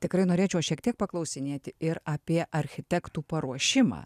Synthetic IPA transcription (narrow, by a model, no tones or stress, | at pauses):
t̪ʲɪkɾɐɪnoːɾʲeːt͡ʃʲɛʊʃʲiɛk̚t̪ʲiɛk̚pɐklˠɐʊsʲɪnʲeːt̪ʲɪɪɾaːpʲiɛʔɐɾʲxʲɪt̪ʲɛkt̪uːpɐɾuɔʃʲɪmɑ̰ː